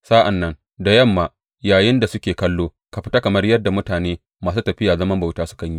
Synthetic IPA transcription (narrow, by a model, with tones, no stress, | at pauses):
saː˦ʔa˨nːɐ˦ŋ | da˨jɐ˦˨mːaː˨ | jaː˨jɪ˦nda˨sʊ˦kʲeː˨kɐ˦lːoː˦ | ka˨ɸɪ˦ta˦kɐ˨mɐ˦rjɐ˦dːa˨mʊ˦taː˨neː˦ | maː˨suː˦tɐ˨ɸɪ˦jaː˨zɐ˦mɐ˦mba˨taː˦sʊ̥˦kɐ˨ɲji˦